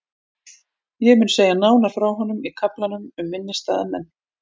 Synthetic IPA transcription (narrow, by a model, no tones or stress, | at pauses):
jɛɣmʏːnseːjanaːwnafɾawɦɔnʏmikʰaplanʏmʏmːɪnːɪst̪aːðamɛnː